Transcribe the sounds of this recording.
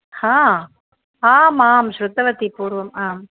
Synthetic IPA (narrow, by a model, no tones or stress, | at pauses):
haː | aːmaːmʃɾʊt̪ːɐʋɐt̪ːipuːɽɯʋɐmaːm